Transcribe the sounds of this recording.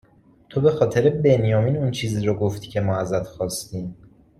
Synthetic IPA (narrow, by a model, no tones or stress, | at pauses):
t̪ʰobe̞xɒːt̪ʰe̞ɾebe̞njɒːmiːnunt͡ʃʰiːziːɾɒɡo̞ft̪icʰe̞mɒːæzæt̪xɒːst̪iːm